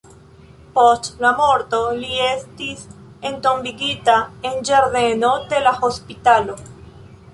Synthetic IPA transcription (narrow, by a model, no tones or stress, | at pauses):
post͡ʃlamoɾt̪oliest̪is | ent̪ombiɡit̪aend͡ʒeɾðenod̪elaxospit̪alo